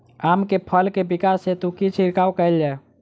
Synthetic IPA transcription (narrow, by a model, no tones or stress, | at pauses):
amkepʰəlkebikasːet̪ukit͡ʃʰiɾkaːwkəɛld͡ʒae